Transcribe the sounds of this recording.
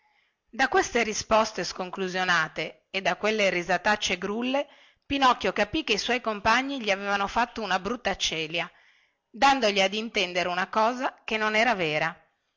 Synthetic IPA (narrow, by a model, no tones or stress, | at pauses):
d̪akwest̪eɾispɔst̪eskoŋkluzjonaːt̪eː | d̪ːakːwelːeɾizat̪at͡ʃːeɡɾulːe | pinɔkːjokapikːeiswɔjkompaɲːiʎiavevanofat̪ːounabɾut̪ːat͡ʃɛːlja | d̪and̪oʎiad̪int̪ɛnd̪eɾeunakɔːzakenːonɛːɾavɛːɾa